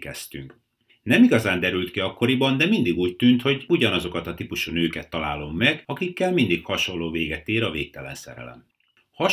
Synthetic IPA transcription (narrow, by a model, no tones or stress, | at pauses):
kɛst̪yŋk | nɛmiɡɒzaːnd̪ɛɾylt̪kiɒkːo̞ɾibɒnd̪ɛmind̪iɡuːc̚t̪ynt̪ho̞ɟuɟɒnɒzo̞kɒt̪ɒt̪ipuʃunøːkɛt̪ːɒla̰ːlo̞mːɛɡɒkikːɛlmind̪ikhɒʃo̞nlːoːveːɡɛt̪eːɾɒveːk̚t̪ɛlɛ̰nsɛ̰ɾɛ̰lɛ̰m | hɒ